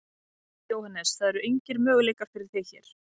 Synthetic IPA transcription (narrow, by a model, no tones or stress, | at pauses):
joːwhanɛsθaðɛɾʏejɲcɪɾmœːɣʏleːjkafɪɾɪɾ̥θeçɛ̰ːɾ̥